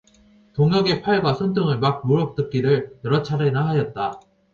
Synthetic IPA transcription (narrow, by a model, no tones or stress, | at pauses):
toŋjʌɡe̞pʰaɭɡwasʰʌntʰɯŋɯɭmak̚moɾʌk̚t͈ɯk̚k͈iɾɯɭjʌɾʌt͡ɕʰaɾenaɦajʌt̚t͈a